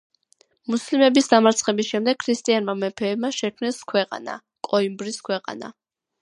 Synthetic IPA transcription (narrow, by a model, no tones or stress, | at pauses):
muslimɛbisd̪amaɾt̪sʰχɛbisʃɛmd̪ɛɡ̥̚kʰɾist̪ʼianmamɛpʰɛːbmaʃɛkʰmnɛskʰwɛqʼa̰na̰ | kʼɔimbɾiskʰwɛqʼa̰na̰